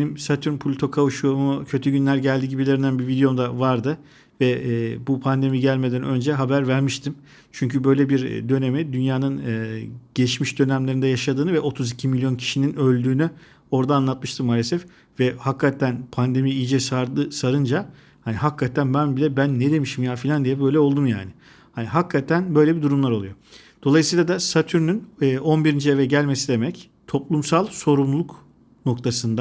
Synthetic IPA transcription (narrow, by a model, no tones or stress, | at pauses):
benimsat̪ʰyɾmpʰulʲt̪ʰo̞kʰavuʃumucʰø̞t̪ʰyɟynlʲæɾɟælʲd̪iɟibilʲe̞ɾinænbivid̪ejo̞md̪avaɾd̪ɯ | vɛːbupʰand̪e̞miɟælʲme̞d̪ænø̞nd͡ʒɛɦabæɾvæɾmiʃt̪ʰim | t͡ʃʰyɲcʰybø̞jlʲebiɾd̪ø̞ne̞mid̪ynjaːnɯnɯːɟ̥elʲiʃmiʃd̪ø̞næmlʲe̞ɾind̪ɛjaʃad̪ɯːnɯvɛʔo̞t̪ʰuzicʰimilʲjo̞ncʰi̥ʃininø̞lʲd̪yːny | o̞ɾd̪aːnlˠat̪̚mɯʃt̪ʰɯmːaːlʲe̞sɛf | vɛhakʰːat̪ʰænpʰand̪e̞mijid͡ʒɛsaɾd̪ɯsaɾɯnd͡ʒa | haniɦakːat̪ʰænbænbilʲɛbænːed̪e̞miʃimjaːfilʲand̪ijɛbø̞jlʲɛo̞lˠd̪umja̰ːnɪ | haniɦakʰːat̪ʰænbø̞jlʲebid̪uɾumlˠaɾo̞lˠujo̞ | d̪̥o̞lˠajsɯjːlˠad̪asat̪ʰyɾnynːʔo̞nbiɾind͡ʒievɛɟælʲme̞sid̪e̞mɛc | t̪ʰo̞plˠumsalˠso̞ɾumlˠuk | no̞k̚t̪ʰasɯnd̪a